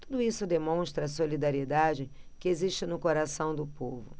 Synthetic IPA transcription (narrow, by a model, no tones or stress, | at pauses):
t̪ud̪ʊisʊd̪emõʃt̪ɾɐːsolid̪aɾied̪ad͡ʒɪkɪeziʃt͡ʃɪnʊkoɾasɐ̃w̃d̪ʊpovʊ